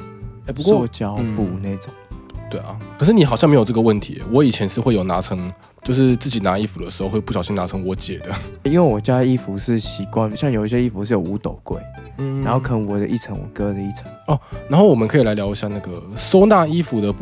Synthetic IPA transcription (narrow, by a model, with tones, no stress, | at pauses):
e˥˩pu˧˥kɔɔ˥˨˥t͡ɕjɑ˨˥ʊpu˨˩na˥˩ɪʈ͡ʂo˨˩ŋt̪we˥˩ɪɐ̰˨kʰə˨˩ʂ̬ɻ̩˥˩ni˨˥xɑ˨ʊɕɑ˥˩ŋme˧˥jo˨˩ʈ͡ʂə˥˩ɡə˨wə˥˩nt̪ʰḭ˧˦˨wɔ˧˦˥i˨˩t͡ɕʰjɛ˧˦nʂɻ̩˥˧xwe˥ɪjo˨˩ʊna˧˥t͡sʰɤ˧˦ŋ | t͡ɕjo˥˧ʊʂ̬ɻ̩˥˧t͡sɹ̩˥˩t͡ɕi˨˩na˧˥˦i˥fu˨d̪ə˩ʂ̩˧˥xo˥˧xwe˥˧pu˥˩ɕɑ˨˩ʊɕi˦na˧˥t͡sʰɤ˧˦ŋwɔ˧˥t͡ɕjɛ˨˩d̪ə˦i˥nwe˥˩ɪwɔ˨˩t͡ɕja˥d̪ə˨˧i˥fu˨˧ʂɻ̩˥˩ɕi˨˩˦kwa˥˧nɕjɑ˥˩ŋjo˨˩i˥ɕɛ˥i˥˩fu˨˦ʂɻ̩˥˩jo˨˩ʊu˧˥t̪o˨˩ʊkwe˥˩ɪ˧ | na˨˦nxo˥˩ʊkʰə˧˩wɔ˨˩d̪ə˦ʔi˥˩t͡sʰə˧˦ŋwɔ̰˨˩kɤ˦d̪ə˦i˥˩t͡sʰə̥˧˦ɔ˥˩na˧nxo˥˩ʊwɔ˨˩mə˨nkʰɤ˧˥i˨la˧ɪljɑ˧˥ʊi˧˦ɕja˥˧na˥˩ɡə˩so˥ʊna˥˧i˥fu˨d̪ə˨